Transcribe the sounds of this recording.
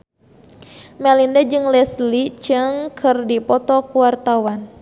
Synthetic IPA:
mɛlindad͡ʒɨŋlɛslit͡ʃɨŋkʰɨrdipɔt̪ɔkuwart̪awan

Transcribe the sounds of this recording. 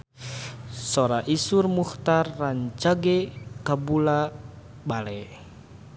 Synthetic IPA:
sɔɾaʔisurmuht̪arːaɲt͡ʃaɡɛkabula | balɛ

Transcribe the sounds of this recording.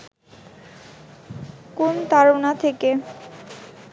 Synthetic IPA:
kont̪aɾonat̪ʰeke

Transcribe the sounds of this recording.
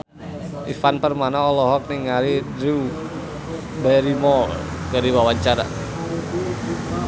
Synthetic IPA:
ʔifanpərmanaɔlɔɦɔk̚niŋaɾiɾu | bɛɾimɔkaɾiwawaɲt͡ʃaɾa̰

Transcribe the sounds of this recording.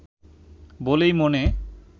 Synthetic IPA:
bolejmone

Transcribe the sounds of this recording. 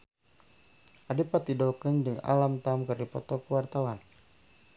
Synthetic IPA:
ʔadepat̪idɔlkəndɨŋa̰lamt̪amkərdipɔ̰t̪ɔkuwart̪awan

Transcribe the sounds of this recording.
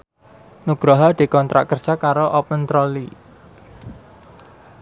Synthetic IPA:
nuɡ̥ɾaɦad̪̥e̤kɔnt̪ɾa̰ʔkːərd̥ʒ̥akaɾoʔɔpənt̪ɾɔli

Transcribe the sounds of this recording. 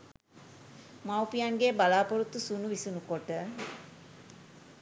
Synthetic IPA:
mawpijaŋɡeːbalaːpoɾut̪ːusunuʋisunukoʈə

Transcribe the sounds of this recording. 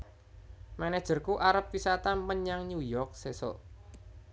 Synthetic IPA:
manɛ̥ʒ̥ə̤rkuʔaɾəp̚wisat̪aməɲaŋɲujɔk̚sesɔ̰

